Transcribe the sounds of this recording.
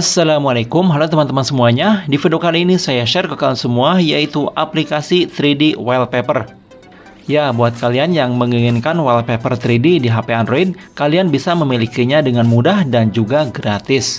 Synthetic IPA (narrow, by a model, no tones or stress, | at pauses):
asːalamualekʊmɦalat̪əmant̪əmansəmuaɲadifidokaliːnisajaʃɛrkəkaansəmuajait̪uʔaplikasit̪ɾidiwailpepər | jabuat̪̚kalianjaŋməŋiŋɪnkanwailpepərt̪ɾididiɦapeanɾoid̚kalianbisaməmilikiɲadəŋanmudahdand͡ʒuɡaɡɾat̪ɪs